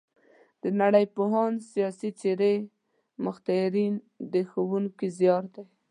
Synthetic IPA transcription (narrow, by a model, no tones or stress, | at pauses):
d̪̥ənaɽəjpoɦɑnsijɑsit͡seɾe | mʊxt̪aɾin | d̪əxawuŋkizjɑɾd̪aj